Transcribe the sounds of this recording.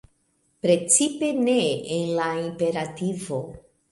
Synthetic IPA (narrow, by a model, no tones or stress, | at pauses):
pɾe̞t͡sipe̞ne̞ːnlaimpe̞ɾativo